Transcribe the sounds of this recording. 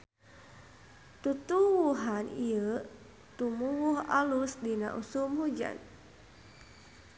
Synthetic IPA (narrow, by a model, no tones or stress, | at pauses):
t̪ut̪uwuɦaniə | t̪umuwuha̰lusdina̰ʔusumhud͡ʒa̰n